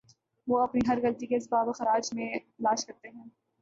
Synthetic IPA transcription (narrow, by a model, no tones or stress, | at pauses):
ʋoːɐpniɦɐɾɣɐlt̪ikeɪs̬baːbxɐɾaːd͡ʒmẽlaːʃkɐɾt̪eɦɛ̃ː